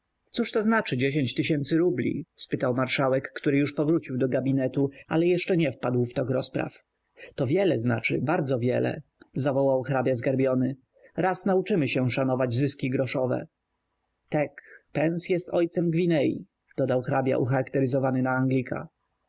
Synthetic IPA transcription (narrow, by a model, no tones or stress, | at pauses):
t̪suʂt̪ɔznat͡ʂɘd͡ʑeɕeɲt͡ɕt̪ɘɕɛnt̪sɘɾublʲḭspɘt̪awmaɾʂawɛkːt̪uɾɘjuʂpɔvɾut͡ɕiwd̪ɔɡabʲinɛt̪ua̰lɛjɛʂt͡ʂɛɲɛfpad̪wft̪ɔɡɾɔspɾa̰f | t̪ɔvʲjɛlɛznat͡ʂɘ̰baɾd̪zɔvʲjɛlɛ̰zavɔwawxɾabʲjazɡaɾbʲjɔnɘ | ɾasnaut͡ʂɘmɘɕɛʂanɔvad͡ʑzɘskʲiɡɾɔʂɔvɛ̰ | t̪akpɛnsjɛst̪ɔjt̪sɛmɡvʲinɛjḭ | d̪̥ɔd̪awxɾabʲja̰ʔṵxaɾakt̪ɛɾɘzɔvanɘnaaŋɡlʲikʰa̰